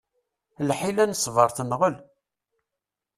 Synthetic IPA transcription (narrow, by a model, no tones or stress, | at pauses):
lħilænsˤːvəɾˤθənʁəl